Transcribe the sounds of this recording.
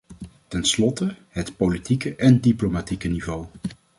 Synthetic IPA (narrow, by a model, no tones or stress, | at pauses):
tɛnslɔtəɦətpolitikəʔɛndiplomatikənivow